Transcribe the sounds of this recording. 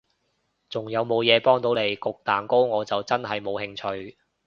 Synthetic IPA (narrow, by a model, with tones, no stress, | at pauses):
t͡sʊ˨˩ŋjɐ˨˧wmo˨˧wjɛː˨˧pɔː˥ŋt̪o˨˥wne˨˧jkʊ˨k̚t̪aː˨nko˥wŋɔː˨˧t͡sɐ˨wt͡sɐ˥nɦɐ˨jmo˨˧whɪ˧ŋt͡ʃʰɵ˧ɥ